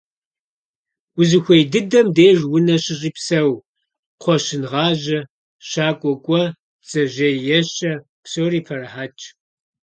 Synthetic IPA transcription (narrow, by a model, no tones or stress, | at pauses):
wʊzɨxʷejdɨdɐmdeːʒwʊnɐɕɪɕʼiːpsɐw | qʷɔɕɪnʁɑːʑɐ | ɕaːkʷʼɔkʷʼɔ | t͡sʼɐʒɐjjɛɕɐ | psoːriːpʰɐrɐħaːt͡ʃʼ